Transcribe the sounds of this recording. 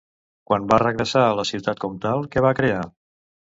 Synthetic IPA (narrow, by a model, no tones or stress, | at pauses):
kwanbarəɣɾəsaələsiwt̪at̪̚kɔmt̪alˠkɛβakɾea